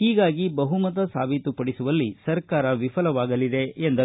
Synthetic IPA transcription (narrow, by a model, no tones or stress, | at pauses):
hiːɡaːɡibɐɦumɐt̪ɐsaːbʱit̪upɐɽisuʋɐlːisɐɾkaːɾɐʋipʰɐlɐʋaːɡɐlid̪e̞end̪ɐ